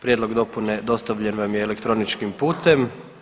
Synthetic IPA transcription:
pɾjed̪lo̞ɡd̪o̞puned̪o̞st̪aʋʎenʋamjeːlekt̪ɾo̞nit͡ʃkimpuːt̪e̞m

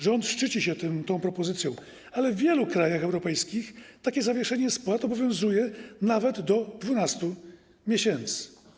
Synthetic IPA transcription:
ʐɛɔnt̪ʂt͡ʂɘt͡ɕiɕɛt̪ɘmt̪ɔ̃w̃pɾɔpɔzɘt̪sʲjɔ̃w̃ | alɛvːʲjɛlukɾajaxɛwɾɔpɛjskʲixt̪akʲɛzavʲjɛʂɛɲɛspwat̪ɔbɔvʲjɔ̃w̃zujɛnavɛd̪ːɔd̪vunast̪u | mʲjeɕɛnt̪sɘ̥

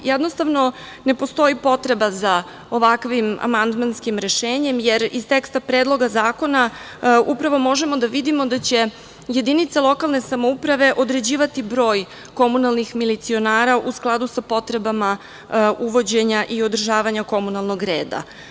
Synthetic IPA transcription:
jɛd̪nost̪aʋno̞ | ne̞po̞st̪o̞ipo̞t̪ɾe̞baza | o̞ʋakʋima̰mand̪manskimɾe̞ʃeːɲe̞mje̞ɾist̪ekst̪apɾeːd̪lˠo̞ɡazaːko̞na | upɾaʋo̞mo̞ʒe̞mo̞d̪aʋid̪imo̞d̪at͡ɕe̞ | je̞d̪init̪salˠo̞kalˠne̞samo̞upɾaʋe̞ʔo̞d̪ɾe̞d͡ʑiːʋat̪ibɾo̞ːj | ko̞munalˠnixmilit̪sio̞naːɾaʔusklˠad̪usapo̞t̪ɾe̞bama | uʋo̞d͡ʑe̞ɲaʔio̞d̪r̩ʒaːʋaɲako̞munalˠno̞ɡɾeːd̪a̰

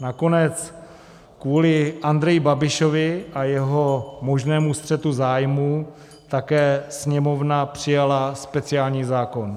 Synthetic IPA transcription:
nako̞nɛt͡s | kvuːlɪʔand̪ɾɛjɪbabɪʃo̞vɪʔajɛɦo̞mo̞ʒnɛːmust̪r̝̥ɛt̪uzaːjmuː | t̪akɛːsɲɛmo̞vnapr̝̥ɪjalaspɛt͡sɪaːlɲiːzaːko̞n

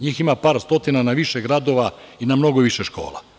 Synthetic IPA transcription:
ɲiːximapaːɾst̪o̞t̪inanaʋiʃeɡɾad̪o̞ʋainamno̞ɡoʋiʃeʃko̞̰ːla̰

